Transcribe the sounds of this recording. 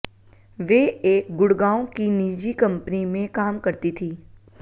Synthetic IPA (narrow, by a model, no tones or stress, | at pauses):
ʋeːeːk̚ɡʊɽɡaːõkiniːd͡ʒikɐ̃mpnimẽkaːmkɐɾt̪it̪ʰiː